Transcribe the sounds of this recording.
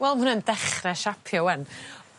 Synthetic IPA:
wɛlˠmhʊnəndɛχrɛʃapʰjɔwɛn

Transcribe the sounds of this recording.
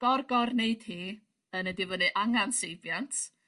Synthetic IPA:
ɔrɡɔrneɨd̥hiː | ənədɪvɔnɨʔaŋansejvjantʰ

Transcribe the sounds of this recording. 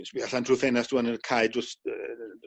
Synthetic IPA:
sbiaɬantʰruθɛnastʰuːanəkʰajdʊst

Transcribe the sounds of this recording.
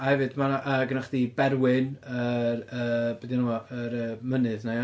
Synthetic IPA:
ahɛvɨdmanaʔəːɡənaχd̥ibɛɾwɪnərəbɛdinuwɔəɾəmənɨðne

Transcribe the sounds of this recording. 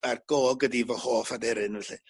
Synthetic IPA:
arɡ̥oːɡədivɔhoːfadɛɾɨnvɛɬɨ

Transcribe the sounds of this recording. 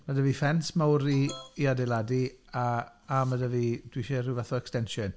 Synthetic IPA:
madəvifɛnsmawɾiːadɛladia | amadəvid̥wiʃerɨwvaθɔɛkstɛnʃɔn

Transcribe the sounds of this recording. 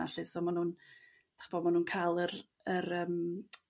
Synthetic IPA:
a̰ɬɨsɔmanuːn | d̥aχbɔmanuːnkʰajlˠər | əɾəːm

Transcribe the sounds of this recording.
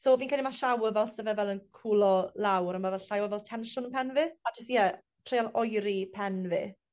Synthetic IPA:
soːviːnkalimaʃawəvɛlˠsəvɛvɛlˠənkʰulˠɔlˠawɾamavɛlɬajwɔvɛlˠtʰɛnʃʊnpʰɛnvɨadʰasjɛ | tʰrejalˠɔjɾipʰɛnvɨ̰

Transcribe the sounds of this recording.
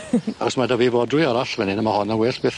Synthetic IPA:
a̰ɡɔsmadavivɔdrʊjɔɾaɬvɛnɪnəmahɔnawɛɬb̥eːθ

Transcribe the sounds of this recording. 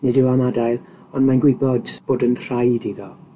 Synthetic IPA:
nidɪwamadajlˠ | ɔnmanɡwɪbɔdb̥oːdənr̥ajdiðɔ

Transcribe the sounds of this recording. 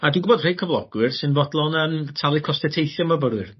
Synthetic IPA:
adɪ̃ɡʊbɔdrejkʰəvlˠɔɡ̥wɪrsɨnvɔdlˠɔnəːmtʰalˠikʰɔstɛtʰejθjɔməbəɾwɨr

